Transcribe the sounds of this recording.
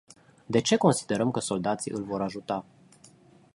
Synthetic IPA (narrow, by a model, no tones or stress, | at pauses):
d̪e̞t͡ʃe̞ko̞nsid̪e̞ɾəmkəso̞ld̪at̪siʔɨlʲvo̞ɾaʒut̪a